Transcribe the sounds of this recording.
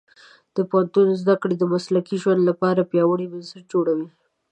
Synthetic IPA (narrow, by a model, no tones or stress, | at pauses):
d̪̥əpawant̪unzd̪akɽed̪əmaslakiʒwand̪lapɑɾapjɑwəɽibansəɾ̚d͡ʒoɽawi